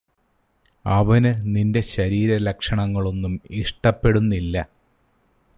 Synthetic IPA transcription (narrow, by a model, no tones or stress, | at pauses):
ɐʋɐnɨninde̞ɕɐɾiːɾɐlɐkʂɐɳɐŋːɐɭo̞nːumiʂʈɐpːe̞ɽunːilːɐ